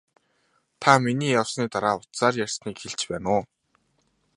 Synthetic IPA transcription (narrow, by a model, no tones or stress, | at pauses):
t̪ʰaminiːjawsniːt̪aɾaːʊt̪saːrjærʲsniːkxeɮt͡ɕpæːnʊː